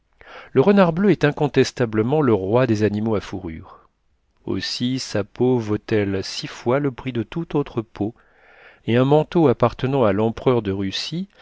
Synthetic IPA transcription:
ləʁənaʁbløɛt̪ɛ̃kɔ̃t̪ɛst̪abləmɑ̃ləʁwad̪ezanimoafuʁy̰ːʁ | o̰sisapovot̪ɛlsifwaləpχid̪ət̪ut̪ot̪χəpʰo | eɛ̃mɑ̃t̪oapaʁt̪ənɑ̃alɑ̃pχœʁd̪əʁysi

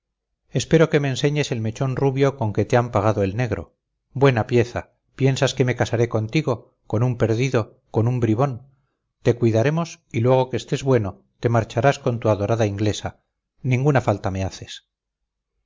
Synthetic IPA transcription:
e̞spe̞ɾo̞ke̞me̞ːnse̞ɲe̞se̞lme̞t͡ʃo̞nruβjo̞ko̞ŋke̞t̪eampaɣ̞aðo̞e̞lne̞ɣɾo̞̰ | bwe̞napje̞θa | pje̞nsaske̞me̞kasaɾeko̞nt̪iɣo̞ | ko̞numpe̞ɾðiðo̞ | ko̞numbɾiβo̞n | t̪e̞kwiðaɾe̞mo̞s | ilwe̞ɣ̞o̞kest̪e̞zβwe̞no̞ | t̪e̞maɾt͡ʃaɾasko̞nt̪uaðo̞ɾaðaiŋɡle̞sa | nĩŋɡunafalt̪ame̞aθe̞s

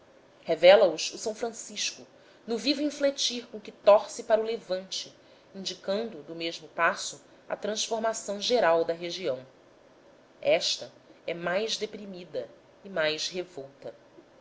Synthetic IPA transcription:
hevɛlɐʊʃʊsɐ̃w̃fɾɐ̃siʃkʊ | nʊvivʊĩflet͡ʃiɾkõkɪt̪ɔɾsɪpaɾɐʊlevɐ̃nt͡ʃɪ | ĩnd͡ʒikɐ̃nd̪ʊd̪ʊmeʒmʊpasʊ | ɐ̰t̪ɾɐ̃ʃfoɾmasɐ̃w̃ʒeɾawd̪ɐɦeʒiɐ̃w̃ | ɛʃt̪ɐ | ɛmajzd̪epɾimid̪ɐ | imajʃɦevowt̪ɐ

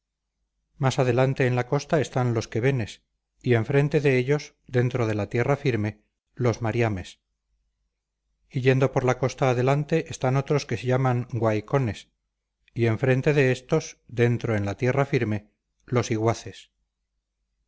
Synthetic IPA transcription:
masað̞e̞lant̪e̞ːnlako̞st̪ae̞st̪anlo̞ske̞βe̞ne̞s | ie̞ɱfɾe̞nt̪e̞ðe̞eʎo̞ze̞nt̪ɾo̞ð̞e̞lat̪je̞rafiɾme̞ | lo̞zmaɾjame̞s | iʎe̞nd̪o̞po̞ɾlako̞st̪aːðe̞lant̪e̞ʔest̪ano̞t̪ɾo̞skeseʎamaŋɡwajko̞ne̞s | ie̞ɱfɾe̞nt̪e̞ðe̞est̪o̞zd̪e̞nt̪ɾoe̞nlat̪je̞rafiɾme̞ | lo̞siɣwaθes

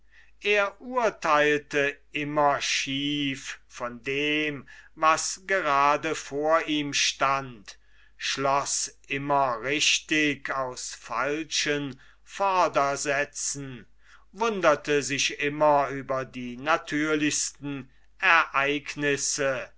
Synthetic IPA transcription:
ʔeːɐʔuɐtʰaɪltəʔɪmɐʃiːffɔndeːmvasɡ̥əʁaːdəfoːɐʔiːmʃtant | ʃlɔsʔɪmɐʁɪʃtɪkʰaʊsfa̰lʃən | fɔɐdɐzɛt͡sn̩ | vʊndɐtəzɪʃʔɪmɐyːbɐdiːnatʰyːɐlɪçstn̩ | ʔɛɐʔaɪknɪsə

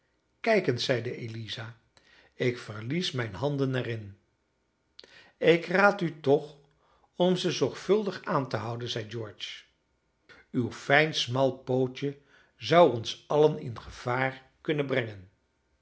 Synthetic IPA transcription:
kɛjkənsɛjdəelizaː | ɪkfəɹlismɛjnɦɑndənɛrɪn | ɪkraːtytɔχ | ɔmzəzɔɹχfɵlˠdəχaːntəɦʌwdənzɛjd͡ʒɔːɹt͡ʃ | ywfɛjnsmɑlˠpowt͡ʃə | zɑwɔnsɑlənɪ̰nχəv̥aːɹ | kɵnəbrɛŋən

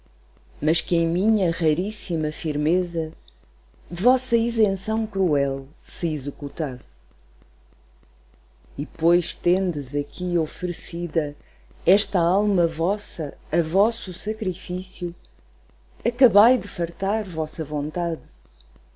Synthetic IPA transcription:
mɐʃkɨẽj̃miɲɐʁɐɾisimɐfiɾmezɐ | vɔsɐizẽsɐ̃w̃kɾuɛlˠsɨizɨkut̪as | ipojʃt̪ẽnd̪ɨzɐkʰiɔfɾɨsiðɐ | ɛʃt̪ɐalˠmɐvɔsɐɐvɔsusɐkɾifisju | ɐkɐβajd̪ɨfɐɾt̪aɾvɔsɐvõnt̪að

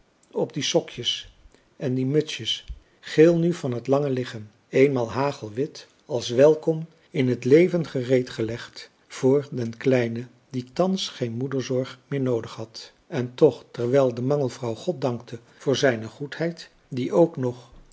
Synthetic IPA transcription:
ɔb̚disɔkjəs | ɛndimɵtsjəs | χɪːlˠnyvɑnɦətlɑŋəlɪχəm | ejnmaːlˠɦaːχəlˠʋɪt | ɑlˠsʋɛlˠkɔm | ɪnɦətlejvənχərejtχəlɛχt | v̥ʊːɹdɛnklɛjnə | ditɑnsχejnmudəɹzɔɹχmɪːɹnowdəχɦɑt | ɛntɔχtɛɹʋɛlˠdəmɑŋəlˠvrɑwχɔt̚dɑŋktʰə | v̥ʊːɹzɛjnəχuthɛjt | diʔowknɔχ

